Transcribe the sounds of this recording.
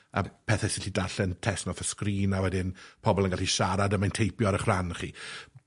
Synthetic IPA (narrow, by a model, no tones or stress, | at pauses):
a̰pʰɛθɛsɪɬidaɬɛntʰɛsnɔfəskriːnawɛdɪnpʰɔbɔlˠənɡalɬiʃaɾadəmajntʰejpjɔɾəχranχiː